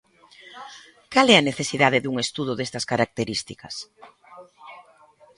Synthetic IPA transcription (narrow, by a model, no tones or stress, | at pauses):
kalɛɐneθesiðaðeðuŋest̪uðʊðest̪ɐskaɾak̚t̪eɾist̪ikɐs